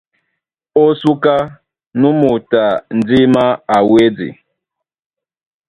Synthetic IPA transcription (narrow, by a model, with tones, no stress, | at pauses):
o˦su˦ka˦ | nũ˦mu˨ta˨n̩˨d͡zi˦ma˦a˨we˦d͡zḭ˨